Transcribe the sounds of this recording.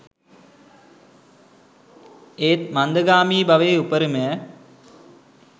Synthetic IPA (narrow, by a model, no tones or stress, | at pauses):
eːt̪̚mand̪əɡaːmiːbaʋeːupəɾimejɛ